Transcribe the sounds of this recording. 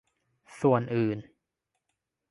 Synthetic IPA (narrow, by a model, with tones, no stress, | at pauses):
su˨˩ənʔɯː˨˩n